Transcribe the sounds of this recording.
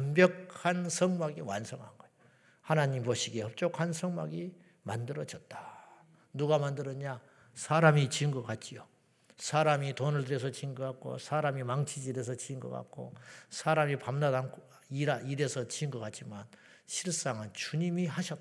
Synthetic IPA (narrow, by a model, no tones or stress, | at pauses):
ʌmbjʌkʰansʰʌŋmaɡiwa̰nsʰʌŋɦa̰nɡʌjo | hanaɲimpʌɕʰiɡe̞hʌp̚t͡ɕ͈okʰansʰʌŋma̰ɡi | mandɯɾʌd͡ʑʌt̚t͈ḁ | nuɡamandɯɾʌɲa | sʰaɾamit͡ɕiŋɡʌkat̚t͡ɕ͈ijo | sʰaɾamitonɯɭdɯɾe̞s̬ʰʌt͡ɕiŋɡɯkak̚k͈o̰sʰaɾamimaŋt͡ɕʰid͡ʑiɾe̞s̬ʰʌt͡ɕiŋɡʌ̰k͈a̰t̚k͈o̰sʰaɾamipamnadankʰ | iɾaiɾe̞sʰʌt͡ɕiŋɡʌkat̚t͡ɕ͈iman | ɕʰiɭs͈aŋɯnt͡ɕuɲimiɦaɕʰʌt̚